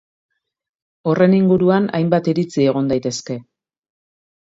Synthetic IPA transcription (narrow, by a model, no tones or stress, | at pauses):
o̞re̞niŋɡuɾuana̰jmbat̪iɾit͡sie̞ɣ̞o̞nd̪ajt̪e̞ske̞